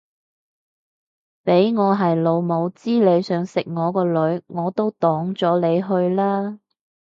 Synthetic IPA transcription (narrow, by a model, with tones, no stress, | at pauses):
pe˨˥jŋɔː˨˧ɦɐ˨jlo˨˧wmo˨˧wt͡siː˥le˨˧jsœː˨˧ŋsɪ˨k̚ŋɔː˨˧kɔː˧lɵ˨˧ɥŋɔː˨˧t̪o˥wt̪ɔː˨˥ŋt͡sɔː˨˥le˨˧jɦɵ˧ɥlaː˥